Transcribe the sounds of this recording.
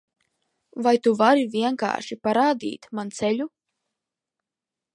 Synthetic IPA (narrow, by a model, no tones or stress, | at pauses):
vajt̪uvaɾivʲiɛŋka̰ːʃipaɾaːd̪ḭːt̪mant̪sɛʎʲu